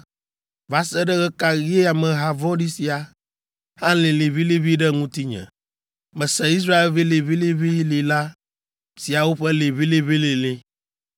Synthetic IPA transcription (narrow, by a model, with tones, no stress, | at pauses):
va˨sɛ˦ɖɛ˦ɣɛ˦ka˨ɣi˦e˦a˨mɛ˨ɦa˨vɔ̃˦ɖi˦si˨a˨ | hã˦le˨le˨βi˦li˦βi˦ɖɛ˦ŋũ˦t̪i˦ɲɛ̰̃˨ | mɛ̃˨sɛ˦i˦s̬ɾa˦e˦lvi˦le˨βi˦li˦βi˦li˨la˦ | si˨a˨wo˦ɸɛ˦le˨βi˦li˦βi˦li˨le˦